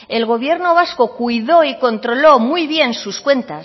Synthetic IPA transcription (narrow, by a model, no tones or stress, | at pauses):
e̞lɣo̞β̞je̞ɾno̞β̞asko̞kujðo̞iko̞nt̪ɾo̞lo̞mujβje̞nsuskwe̞nt̪as